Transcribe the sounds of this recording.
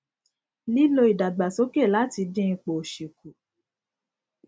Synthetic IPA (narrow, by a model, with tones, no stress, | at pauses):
li˦lo˧i˨da˨ɡ͡ba˨so˨˦ke˦˨la˦ti˧dĩ˦˧k͡po˨ʃi˨ku˨